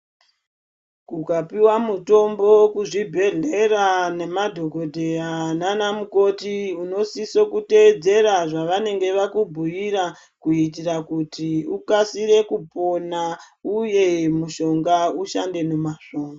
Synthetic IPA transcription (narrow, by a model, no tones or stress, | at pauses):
kukapiwamuto̞mbo̞kuʐibʱe̞ɮe̞rane̞madʱo̞ɡʱo̞dʱeananamuko̞tiuno̞siso̞kute̞d͡ze̞ɾaʐaʋane̞ŋɡe̞ʋakubʱujiɾa | kuit̬irakutiukasiɾe̞kupo̞na | uje̞muʃo̞ŋɡauʃande̞nomaʃo̞ːŋɡa